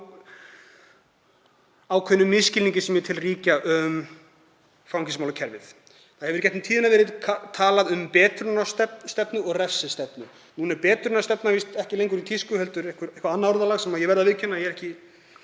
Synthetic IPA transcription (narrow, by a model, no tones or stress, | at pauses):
aːwkʰœnʏmːɪscɪliɲcɪsɛmjɛt̪ʰɪlriːcaʔʏm | fɾawŋcʰɪsmawlʏcʰɛɾvɪ̰θ | θaðhɛvʏɾcɛt̪ɪt̪ʰiːðɪnavɛːɾɪðkʰat̪ʰaːlaðʏmpɛːt̪ɾʏnast̪ɛpst̪ɛpnʏɔɣrɛfsɪst̪ɛpnʏ | nuːnɛɾpɛːt̪ɾʏnast̪ɛpnavist̪ɛhcɪlejŋk̬ʏɾit̪ʰiskʏhɛlt̪ʏɾɛhkʏɾehkvaɾanːaɔɾðalaɣsɛmajɛvɛɾðavɪðcʰɛnːajɛɾɛhcɪ